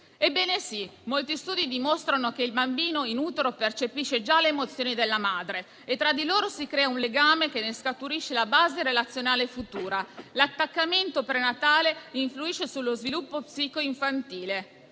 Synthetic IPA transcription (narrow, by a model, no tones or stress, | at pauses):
ebːɛːnesimolt̪ist̪uːd̪id̪imost̪ɾanokeilbambiːnoinut̪eɾopert͡ʃepiʃːed͡ʒaleːmot̪sːjoːnid̪elːamaːd̪ɾe | et̪ːɾad̪iloːɾosikɾɛːaunleɡaːmek̟enːeskat̪uɾiʃːelabaːzeɾelat̪sjonaːlefut̪uːɾalat̪ːakːament̪opɾenat̪aːleiɱfluiʃesulːozvilupːopsiːkoiɱfant̪iːle